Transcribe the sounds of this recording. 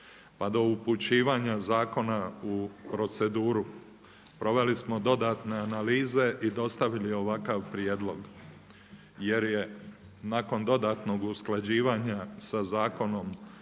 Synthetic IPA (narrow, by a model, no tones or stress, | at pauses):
pad̪o̞uput͡ɕiːʋaːɲazaːko̞naupɾo̞t̪se̞d̪uːɾu | pɾo̞ʋe̞lismo̞d̪o̞d̪at̪ne̞analiːze̞ʔid̪o̞st̪aʋilio̞ʋakaʋpɾjed̪lˠo̞ɡ | je̞ɾje̞ | naːko̞nd̪o̞d̪aːt̪no̞ɡusklˠad͡ʑiːʋaɲasazaːko̞no̞m